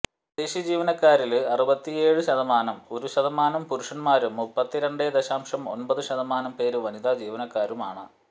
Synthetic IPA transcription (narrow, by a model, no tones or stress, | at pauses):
d̪eɕjɐd͡ʑiːʋɐnɐkːaːɾilɐrubɐt̪ːije̞ːɻɨɕɐðɐmaːnɐmo̞ɾuɕɐðɐmaːnɐmpuɾuʂɐnmaːɾumːupːɐt̪ːiɾeɳɖed̪ɐɕaːmʂɐmo̞̰npɐðɨɕɐðɐmaːnɐmpe̞ːɾɨʋɐnid̪ad͡ʑiːʋɐnɐkːaːɾumaːɳɨ